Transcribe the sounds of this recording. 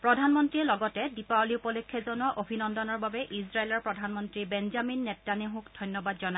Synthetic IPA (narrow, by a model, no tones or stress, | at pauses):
pɹɔdʱanmɔntɹiɛlɔɡɔtɛdipaliupɔlɔkʰːɛzɔnɔʔobʱinɔndɔnɔɹbabɛʔizɹaelɔɹpɹɔdʱanmɔntɹibɛnzaminːɛtːaneɦũkd̥ʱɔjnjɔbadzɔna